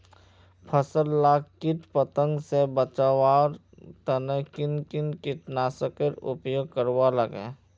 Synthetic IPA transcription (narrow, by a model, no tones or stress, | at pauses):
pʰəsəlːaːkkɪʈpət̪ə̃ŋɡsebət͡ʃawaːɾ | t̪ənəkɪnkɪnkɪʈnaːsəkəɾʊ̰pjoːɡ̚kəɾʋaləɡẽː